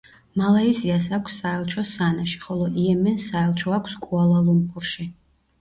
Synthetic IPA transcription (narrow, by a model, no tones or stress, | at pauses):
malaizias̬akʷʰsːaɛlˠt͡ʃʰɔsanaʃi̥χɔlˠɔʔiɛmɛnsaɛlˠt͡ʃʰɔakʷʰskʼualˠalˠumqʼuɾʃi